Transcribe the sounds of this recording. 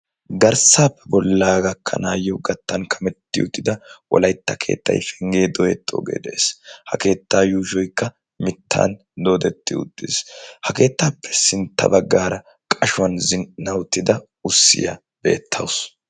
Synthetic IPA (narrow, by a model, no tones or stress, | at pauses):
ɡɐɾsaːpːɛbɔlːaːɡɐkʰːɐ̰naːjːɔɡɐt̪ːɐnkʰɐmɛt̪ːɪ̰ʊ̰t̪ʼːɪd̪ɐwɔ̰lɐjt̪ːɐkʰe̞̰ːt̪ːɐ̰jfɛŋɡe̞ːd̪ɔjɛt̪ːo̰ːɡe̞̰ːd̪ɛʔeːshɐke̞ːt̪ːaːjuːʃɔjkːɐ | mɪt̪ʰːa̰ːn | d̪o̞ːd̪ɛt̪ːɪʊ̰t̪ʼːɪ̰shɐke̞ːt̪ːaːpʰːɛ̥sɪnt̪ːɐ̰bɐɡːaːɾɐ | kʼɐʃʊwɐnzɪnːɐwt̪ːɪd̪ɐ | ʊsːɪ̰jɐ | be̞̰ːt̪ʰːɐws